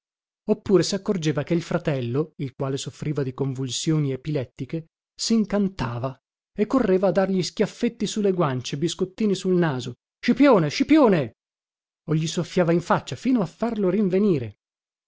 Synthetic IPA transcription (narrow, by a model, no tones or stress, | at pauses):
opːuːɾesakːord͡ʒeːvakeilfɾat̪ɛlːoilkwaːlesofɾiːvad̪ikoɱvulsjoːniepilɛt̪ːike | siŋkant̪aːva | ekːorːeːvaːd̪ːarʎiskjafːet̪ːisulːeɡwant͡ʃebiskot̪ːiːnisulnaːzo | ʃipjoːneʃipjoːne | oʎːisofːjaːvaiɱfat͡ʃːafiːnoafːarloɾiɱveniːɾe